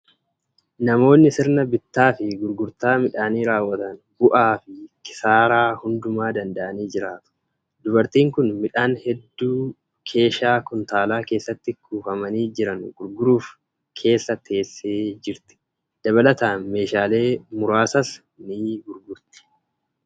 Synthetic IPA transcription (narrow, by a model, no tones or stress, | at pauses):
nɐmo̞ːnːɪsɪɾnɐbɪt̪ːaːfɪɡʊɾɡʊɾt̪aːmɪᶑaːniːɾaːwːɐt̪ɐn | bʊʔaːfɪkɪ̥saːɾaːhʊnd̪ʊmaːd̪ɐnd̪ɐʔɐniːd͡ʒɪɾaːt̪ʊ̥ | d̪ʊbɐɾt̪iːŋkʊnmɪᶑaːnhɛd̪ːuː | kʰe̞ːʃaːkʊnt̪aːlaːke̞ːsːɐt̪ːɪkʰuːfɐmɐniːd͡ʒɪɾɐnɡ̥ʊɾɡʊɾuːf | kʰe̞ːsːɐt̪ːe̞ːsːeːd͡ʒɪɾt̪ɪ̥ | d̪̥ɐβɐlɐt̪aːnme̞ːʃaːle̞ːmʊɾaːsɐs | niːɡʊɾɡʊɾt̪ɪ̥